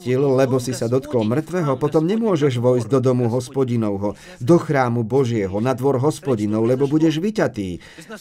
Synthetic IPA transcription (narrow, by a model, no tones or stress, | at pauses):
illɛbɔsisad̪ɔt̪kɔlmr̩t̪ʋɛɦɔpɔt̪ɔmɲɛmʊɔʒɛʒʋɔjzɟd̪ɔd̪ɔmuɦɔspɔɟinɔʊɦɔ | d̪ɔxɾaːmubɔʒɪɛɦɔnad̪ʋɔɾɦɔspɔɟinɔʊlɛbɔbuɟɛʒʋicat̪iː